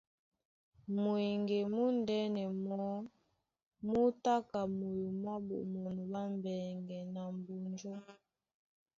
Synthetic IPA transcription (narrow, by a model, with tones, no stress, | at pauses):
mu˨i˨ŋɡe˨mu˦ndɛ˦nɛ˨mɔ˦ | mu˦ta˦ka˨mo˨ju˨mwa˦bṵ˨mo˨nu˨ba˦m˨bɛ˨ŋɡɛ˨na˨m˨bu˨nd͡ʒo˦